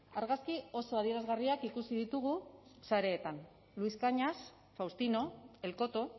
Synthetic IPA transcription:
aɾɣaskio̞so̞að̞ie̞ɾazɣariakikusiðit̪uɣ̞usaɾe̞ːt̪an | luiskaɲas | fawst̪ino̞e̞lko̞t̪o̞

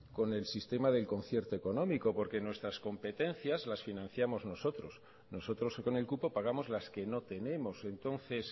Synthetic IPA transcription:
ko̞ne̞lsist̪e̞maðe̞lko̞nθje̞ɾt̪oeko̞nõ̞miko̞po̞ɾke̞nwe̞st̪ɾasko̞mpe̞t̪e̞nθjazlasfinãn̟θjamo̞zno̞so̞t̪ɾo̞s | no̞so̞t̪ɾo̞sko̞ne̞lkupo̞paɣ̞amo̞zlaske̞no̞t̪e̞ne̞mo̞se̞nt̪o̞nθe̞s

